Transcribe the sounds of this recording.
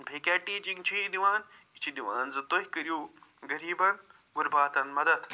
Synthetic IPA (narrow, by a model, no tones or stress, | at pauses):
bʰʱeːkʲaːʈiːt͡ʃiŋt͡ʃʰiːd̪iʋaːnit͡ʃʰid̪iʋaːnzɨt̪oɦikɐɾijuːɡɐɾiːbɐn | ɡuɾbaːt̪ɐnmɐd̪ɐd̪